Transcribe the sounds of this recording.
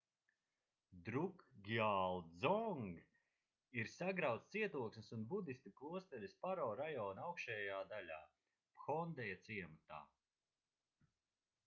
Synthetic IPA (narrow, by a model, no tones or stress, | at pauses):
d̪ɾukɡiaːlˠzɔŋɡ | iɾsaɡɾawt̪t̪siɛt̪uɔksmisunbud̪ist̪iklˠuɔst̪ɛlʲispaɾɔːɾajɔːnawkʃɛːjaːd̪alʲa̰ː | pxɔnd̪ɛjat̪siɛmat̪a̰ː